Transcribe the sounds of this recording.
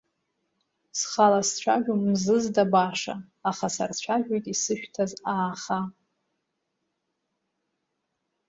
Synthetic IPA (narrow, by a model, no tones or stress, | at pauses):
sχalast͡ɕʷʰaʒᶣomzɨzdabaʂa̰ː | χasa̰rt͡ɕʷʰaʒᶣojtʼisɨʃᶣtʰazaːχa